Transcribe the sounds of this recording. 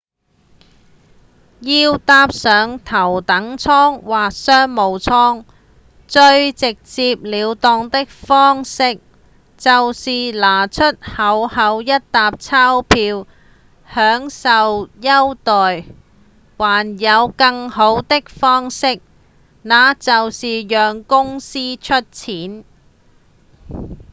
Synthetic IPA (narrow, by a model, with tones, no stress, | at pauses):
jiː˧wt̪aː˧p̚sœː˨˧ŋt̪ʰɐ˨˩wt̪ɐ˨˥ŋt͡sʰɔː˥ŋwaː˨k̚sœː˥ŋmo˨˧wt͡sʰɔː˥ŋ | t͡ʃɵ˧ɥt͡sɪ˨k̚t͡siː˧p̚liː˨˧wt̪ɔː˧ŋt̪ɪ˥k̚fɔː˥ŋsɪ˥k̚ | t͡sɐ˨wsiː˨laː˨˩t͡ʃʰɵ˥t̚hɐ˨˧˥whɐ˨˧˥wjɐ˥t̚t̪aː˨p̚t͡sʰaː˥wpʰiː˧w | hœː˨˥ŋsɐ˨wjɐ˥wt̪ɔː˨˩j | waː˨˩njɐ˨˧wkɐ˧ŋho˨˥wt̪ɪ˥k̚fɔː˥ŋsɪ˥k̚ | naː˨˧t͡sɐ˨wsiː˨jœː˨ŋkʊ˥ŋsiː˥t͡ʃʰɵ˥t̚t͡sʰiː˨˥n